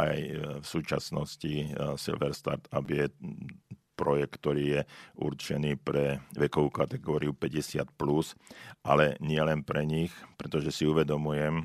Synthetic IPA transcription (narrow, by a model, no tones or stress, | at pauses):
ajfsuːt͡ʃa̰snɔscisḭlʋɛɾst̪a̰ɾt̪abjɛ | pɾɔjɛk̚kt̪ːɔɾiːjɛʔṵɾt͡ʃɛniːpɾɛʋɛkɔʋuːkat̪ɛɡɔːɾiupɛɟɛsɪa̰t̪plusʔalɛɲɪɛlɛnpɾɛɲixpɾɛt̪ɔʒɛsiuʋɛd̪ɔmujɛm